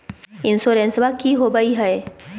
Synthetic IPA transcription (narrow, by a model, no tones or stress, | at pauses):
ɪnsoːɾẽnsʋakiɦoːbaiɦɐe